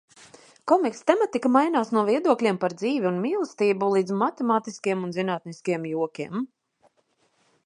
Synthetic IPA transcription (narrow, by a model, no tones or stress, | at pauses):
kɔmikst̪ɛmat̪ikamajnaːsnuɔviɛd̪uɔklʲiɛmpaɾd̪ziːvʲiunmiːlˠst̪iːbulˠiːd̪zmat̪ɛmaːt̪iskijɛmunzinaːt̪niskijɛmjuɔkʲiɛm